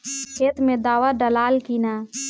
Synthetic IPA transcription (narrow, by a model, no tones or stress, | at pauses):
kʰeːt̪mẽd̪aːʋaɖəlaːlkiːnaː